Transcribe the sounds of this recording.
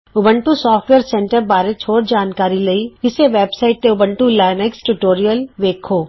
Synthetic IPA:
ʊbə̃ɳʈusɔːfʈʋeːəɾsɛ̃ɳʈəɾbaːɾet͡ʃʰoːɾd͡ʒaːnkaːɾilɐiɪseʋeːbsaːɪʈ̚t̪eʊbə̃ɳʈulaːɪneksʈuʈoːɾijəlʋeːkʰoː

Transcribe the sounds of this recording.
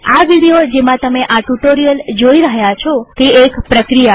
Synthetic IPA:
aʋiɽijod͡ʒemãt̪əmeʔaʈuʈoɾijəld͡ʒoiɾəɦjat͡ʃʰɔt̪eekpɾəkɾija

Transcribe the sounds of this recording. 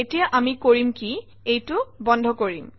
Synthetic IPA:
etijaʔamikoɹimki | ejtʊbɔndʱɔkoɹim

